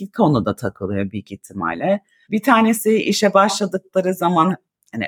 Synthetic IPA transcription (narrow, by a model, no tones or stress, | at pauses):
ikʰo̞nud̪at̪ʰakʰɯlˠɯjo̞bilcit̪ʰːima̰jlʲɛ | bit̪ʰaːnesiiʃɛbaʃlˠad̪ɯk̚lˠaɾɯzaman | hanḭ